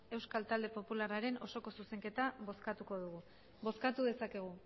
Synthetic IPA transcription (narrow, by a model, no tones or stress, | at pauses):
e̞wskalt̪ald̪e̞po̞pularaɾe̞no̞so̞ko̞suse̞ŋke̞t̪aβoskat̪uko̞ðuɣu | bo̞skat̪uðe̞sake̞ɣ̞u